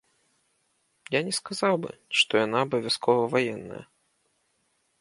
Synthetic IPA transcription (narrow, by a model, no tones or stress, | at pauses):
janʲɛskazawbɨ̰ʂt̪ɔjanaːbɐvʲaskʰɔvɐvajɛnːɐ̰jɐ̰